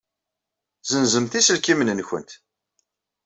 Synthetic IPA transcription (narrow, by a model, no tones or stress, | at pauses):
zənzəmθisəlkimənənçə̰nt̪